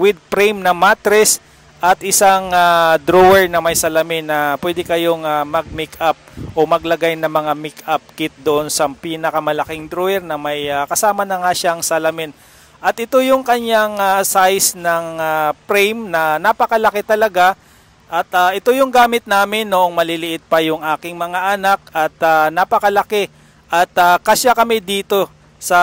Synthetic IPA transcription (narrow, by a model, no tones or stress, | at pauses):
wɪd̪̚pɾɛjmnɐmat̪ɾɛs | ʔɐt̪ʔɪsaŋad̪ɾowɛɹnɐmɐjsɐlɐmɪnːɐpwɛd̪ɪkɐjo̞ŋamɐɡ̚mikap̚ʔo̞mɐɡlɐɡajnɐŋmɐŋamɪkap̚kɪt̪̚d̪oʔonsɐpiːnɐkɐmɐlɐkɪŋd̪ɾoɛɾnɐmɐjakɐsaːmɐnɐŋaʃaŋsɐlɐmɪn | ʔɐt̪ʔɪt̪o̞jʊŋkɐɲjaŋasajsnɐŋapɾɛjmnɐnapɐkɐlɐkɛt̪ɐlɐɡa | ʔɐt̪aʔɛt̪o̞jʊŋɡaːmɪt̪̚naːmɪnːoʔoŋmɐlɪlɪʔɪt̪̚pɐjʊŋʔaːkɪŋmɐŋaʔɐnak̚ʔɐt̪anapɐkɐlɐkɛ | ʔɐt̪akɐʃakɐmɛd̪iːt̪o̞ | sɐ